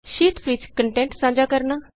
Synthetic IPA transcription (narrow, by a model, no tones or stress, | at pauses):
ʃiːʈsʋit͡ɕkəɳʈẽɳʈsãːd͡ʒakəɾna